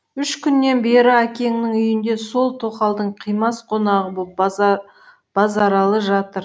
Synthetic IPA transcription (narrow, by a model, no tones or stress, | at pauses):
ʏʃkʲʰʏnːe̞nbe̞ɾɪækʲe̞ŋnɪŋʏjɪnd̪e̞so̞lˠt̪ʰo̞qɑlˠd̪əɴqʰijmɑsqʰo̞nɑʁəbo | b̥ɑzɑɾɑlˠəʒɑt̪əɾ